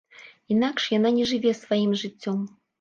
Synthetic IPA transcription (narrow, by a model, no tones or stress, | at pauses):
inakʂjananʲɛʐɨvʲɛsvajimʐɨt͡sʲːɔm